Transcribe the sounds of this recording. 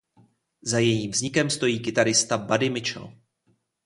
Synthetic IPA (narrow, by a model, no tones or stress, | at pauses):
zajɛjiːmvzɲɪkɛmst̪o̞jiːkɪt̪aɾɪst̪abadɪmɪt͡ʃɛ̰l